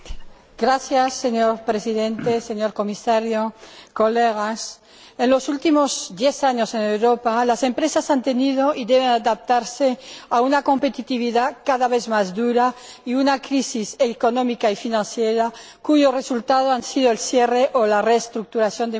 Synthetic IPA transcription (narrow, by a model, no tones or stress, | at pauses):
ɡ̥ɾaθjasːeɲoɾpɾesiðe̞nt̪ese̞ɲo̞ɾko̞misaɾjokoleɣas | enlo̞sult̪imozd̪je̞θaɲose̞newɾopalase̞mpɾesasant̪e̞nið̞oʔiðeβ̞enaðap̚t̪aɾseaunako̞mpe̞t̪it̪iβ̞iðakaðaβe̞θmazðuɾaiunakɾisiseko̞nomikaifinãnsjeɾa | kuʝore̞sult̪að̞oansið̞oelθjereʔolareːst̪ɾuk̚t̪uɾaθjo̞nd̪e